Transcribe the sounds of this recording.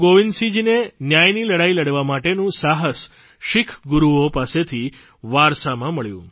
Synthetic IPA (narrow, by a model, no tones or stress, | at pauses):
ɡoʋinsid͡ʒinenjajniləɽailəɽʋamaʈenũsaɦəs | ʃikʰɡuɾuopaset̪ʰi | ʋaɾsamãməɭjṵ̃